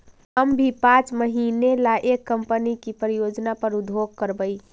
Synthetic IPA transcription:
əmbʱipãt͡ʃməɦinelaʔekːəmpənikipɾijod͡ʒnapəɾud̪ʱoɡ̚kəɾbəɪ

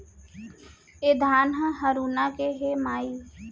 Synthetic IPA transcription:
ed̪ʱaːnɦəɦɐɾuːnakeɦemaːiː

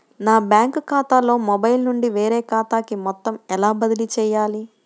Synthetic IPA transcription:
naːbjaːŋkkaːt̪aːlo̞ːmɔbɐjlnuɳɖiʋeːɾɛːkaːt̪aːkimɔt̪ːɐmɛlaːbɐd̪ilit͡ʃɛːjaːli

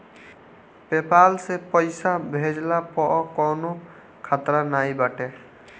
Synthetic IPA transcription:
pepalsepɔjsabʱed͡ʒlapɔʔɔkɔno | kʰat̪ɾanajbaʈe

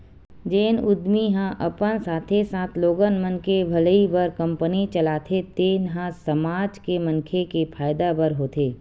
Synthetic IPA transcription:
d͡ʒeːnʊd̪miɦãʔɐpənsaːt̪ʰesaːt̪ʰloːɡənmə̃nkebʱɐləibəɾkɐ̃mpənit͡ʃɐlaːt̪ʰet̪eːnɦãsɐmaːd͡ʒkemɐ̃nkʰekepʰaːjd̪abəɾɦoːt̪ʰeː

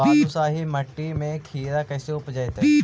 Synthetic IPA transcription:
aːsusaːɦimɐʈːimẽkʰiːɾakɐːseʊpd͡ʒaːjt̪e

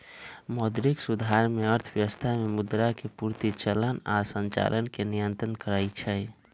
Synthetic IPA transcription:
mod̪ɾiksud̪ʱaɾmeəɾt̪ʰəbjəəst̪ʰamemud̪ɾakepuɾt̪it͡ʃələnasənt͡ʃa̰lʔənkenijənt̪ɾənkəɾait͡ʃʰɛ

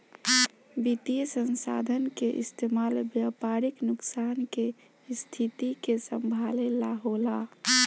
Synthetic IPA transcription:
bit̪ijəsənsa̰d̪ʱənkeʔɪ̰st̪ʰemalbjapaɾiknʊksanke | st̪ʰit̪ikesəmbʱalelaɦola

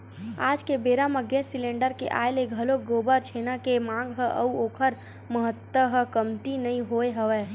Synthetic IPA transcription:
aːd͡ʒkebeːɾaməɡẽnsilẽːɳɖəɾkḛʔa̰ːeleɡʱəloɡoːbəɾt͡ʃʰeːnakemãːŋɡɦəʔə̰uoːkʰəɾ | məɦət̪ːwəɦəkəmt̪inəĩɦoeɦəʋɛ

